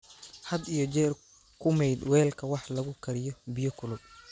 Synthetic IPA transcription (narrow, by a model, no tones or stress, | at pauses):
hɐd̪ijɔt͡ʃɛːr | kʰʊmɛjd̪wɛːlkʰɐwɑħlɐɣʊkʰɐɾɪjɔbɪjɔkʰʊlʊb̚